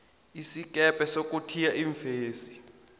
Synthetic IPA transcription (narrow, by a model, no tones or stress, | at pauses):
isik̬ʼɛpʼɛsok̬ʼutʰijaʔiɱfeːsi̥